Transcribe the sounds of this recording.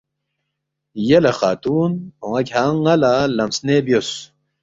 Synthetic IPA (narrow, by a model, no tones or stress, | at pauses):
jelɐxa̰ːt̪uːnhõŋɐkʲhaŋɐlalɐmsnebjos